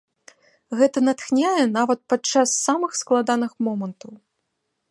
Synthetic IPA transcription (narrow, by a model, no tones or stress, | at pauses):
ɣɛt̪ɐnat̪xnʲajɛnavɐt̪̚pat͡ʂːasːamɨxsklˠad̪anɨxmɔmɐnt̪ɐw